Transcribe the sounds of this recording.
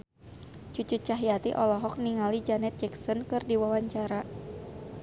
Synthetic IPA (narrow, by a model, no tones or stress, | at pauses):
t͡ʃut͡ʃut͡ʃaɦiat̪ḭʔɔlɔɦɔk̚niŋalid͡ʒanɛt̪̚d͡ʒɛksɔnkɨrdiwawaɲt͡ʃaɾa